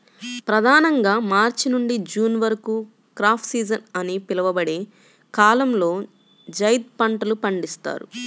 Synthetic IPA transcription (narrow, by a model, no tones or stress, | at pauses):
pɾɐd̪ʱaːnɐŋɡaːmaːɾt͡ʃinuɳɖid͡ʒuːnʋɐɾɐku | kɾaːpʰsiːd͡ʒɐnɐnipilɐʋɐbɐɽe̞ː | kaːlɐmlo̞ː | d͡ʒɐjd̪̚pɐɳʈɐlupɐɳɖist̪a̰ːɾṵ